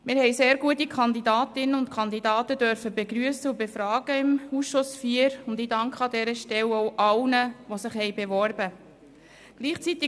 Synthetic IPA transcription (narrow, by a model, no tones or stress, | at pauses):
mɪːɾhɛjseːɾɡuətikʰχɑnd̪idɑːtɪnəʊntkʰɑnd̪idɑːtədœɾfəbeɡɾyəsəʊbefɾɑːɡ̥əɪmusʃʊsfiːəɾʊndɪdɑŋkχəɑdɛɾəʃtɛwowʔɑwnəʋosɪχhɛjbeʋɔɾbə | ɡ̥liːχt͡sit̪ɪ